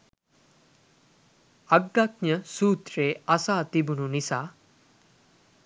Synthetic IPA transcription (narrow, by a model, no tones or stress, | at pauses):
aɡːak̚ɲəsuːt̪reːɐsaːt̪ibununisaː